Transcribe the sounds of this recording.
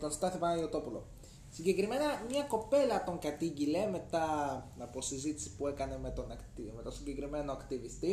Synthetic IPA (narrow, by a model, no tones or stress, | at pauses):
t̪o̞nst̪ɐθipɐniot̪o̞pulo̞̰ | siɲɟe̞kɾime̞nɐmɲɐko̞pe̞lɐt̪o̞ŋkɐt̪iɟile̞me̞t̪ɐnɐpo̞sizit̪i̥si̥puekɐne̞met̪o̞nɐkt̪ime̞t̪ɐsiɲɟe̞kɾime̞noɐkt̪ivist̪i